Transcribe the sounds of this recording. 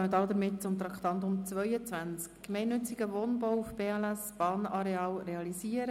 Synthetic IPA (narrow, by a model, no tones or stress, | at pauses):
nəd̪ɑd̪əɾmɪt̚t͡sʊmt̪ɾɑkt̪ɑnt̪ʊmt͡svœʏət͡sʋænt͡skkːmɛɪnːʏt͡siɡ̥əʋoːnbowfb̥eːɛlæsb̥ɑːnɑɾeɑːlrɛɑlisiːəɾə